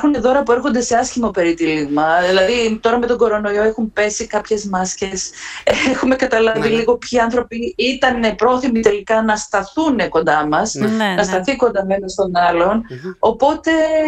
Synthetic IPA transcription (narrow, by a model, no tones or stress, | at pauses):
xuneðo̞ɾɐpue̞ɾxo̞nd̪e̞se̞ɐsçimo̞pe̞ɾit̪iliɣmɐðilɐðit̪o̞ɾɐme̞t̪o̞ŋɡo̞ɾo̞no̞io̞e̞xumpe̞sikɐpçe̞zmɐsce̞sexume̞kɐt̪ɐlɐviliɣo̞pçiɐnθɾo̞piit̪ɐnepɾo̞θimit̪e̞likɐnɐst̪ɐθune̞ko̞nd̪ɐmɐsnɐst̪ɐθiko̞nd̪ɐmenɐst̪o̞nɐlo̞no̞po̞t̪e̞